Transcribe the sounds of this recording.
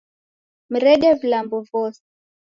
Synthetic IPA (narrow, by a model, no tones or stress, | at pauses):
m̩ɾɛɡɛvilambɔvɔsɛ̥